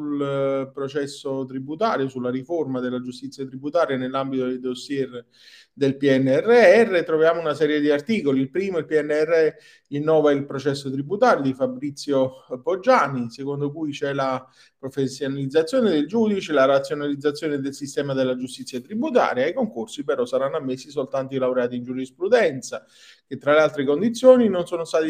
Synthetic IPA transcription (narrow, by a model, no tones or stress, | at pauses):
ulpɾot͡ʃɛsːot̪ɾibut̪aːɾjosulːariformad̪elːad͡ʒust̪it̪sːjat̪ɾibut̪aːɾjanelːambit̪od̪ed̪osːjɛr | d̪elpiɛnːeɛrːeɛrːet̪ɾovjaːmounasɛːɾjed̪iart̪iːkoliilpɾiːmoilpiɛnːeɛrːɛ | inːɔːvailpɾot͡ʃɛsːot̪ɾibut̪aːɾjod̪ifabɾit̪sːjopod͡ʒːaːnisekond̪okujt͡ʃɛla | pɾofesːjonalid̪zːat̪sːjoːned̪eld͡ʒuːd̪it͡ʃelaɾat̪sːjonalid̪zat̪sjoːned̪elsist̪ɛːmad̪elːad͡ʒust̪it̪sjat̪ɾibut̪a̰ːɾjaikoŋkorsipeɾɔsːaɾanːoamːesːisolt̪ant̪̬oilawɾeaːt̪̬ind͡ʒuɾispɾud̪ɛnt̪sa | k̟et̪ːɾalealt̪ɾekond̪it̪sːjoːninonsoːnost̪aːt̪i